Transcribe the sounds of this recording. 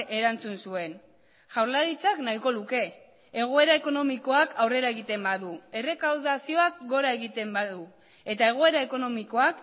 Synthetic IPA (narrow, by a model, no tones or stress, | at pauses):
e̞ɾant͡sunsue̞n | ʝawɾlaɾit͡saknaiko̞luke̞ | e̞ɣ̞o̞e̞ɾae̞ko̞no̞miko̞akʰawre̞ɾae̞ɣit̪e̞mbaðue̞re̞kawðasio̞ak̚ɡo̞ɾae̞ɣit̪e̞mbaðu | e̞t̪ae̞ɣ̞o̞e̞ɾae̞ko̞no̞miko̞ak